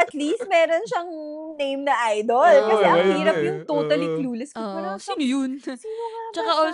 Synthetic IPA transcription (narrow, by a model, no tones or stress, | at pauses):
ʔɐt̪list̪̚mɛːɾonʃɐŋnejmnɐʔajd̪olkɐsɛʔɐŋhiːɾɐpjʊŋt̪oːt̪ɐlikluːlɛskopɐnɐsɪjʊnsɪt͡ʃɐkao